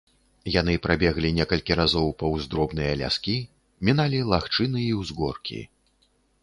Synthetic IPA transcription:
janɨpɾabʲɛɣlʲinʲɛkɐlʲkʲiɾazɔwpɐwzd̪ɾɔbnɨjɐlʲa̰skʲi | mʲinalʲilˠaxt͡ʂɨnɨiwzɣɔrkʲḭ

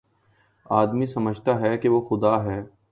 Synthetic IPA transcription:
aːd̪misɐməd͡ʒʱt̪aɦɛkeʋoxʊd̪aːɦɛː

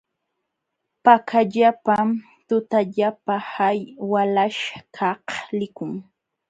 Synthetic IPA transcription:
pakʰaʎapam | t̪ʊt̪aʎapahajwalaʃkʰɑhlɪkʊŋ

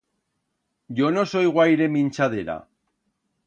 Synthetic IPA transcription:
ɟ͡ʝono̞so̞jɣwajɾe̞mĩnʲt͡ʃað̞eɾa̰

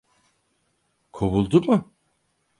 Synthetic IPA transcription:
kʰoβulˠd̪umʊ

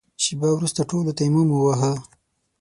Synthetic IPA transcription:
ʃibawɾust̪aʈolot̪ajmumuwaɦə

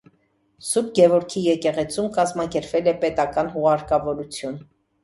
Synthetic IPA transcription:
sup̚ɡɛvɔɾkʰijɛkɛʁɛt͡sʰumkɑzmɑkɛɾpvɛlɛpɛt̪ɑkɑn̪ɦuʁɑɾkɑvɔɾut͡sʰjun

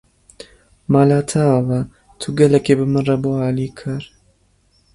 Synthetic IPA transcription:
maːlaːt̪ʰavɐ | t̪ʰuɡɐlɛkebɨmɨnrɐboaːliːkʰɨɾ

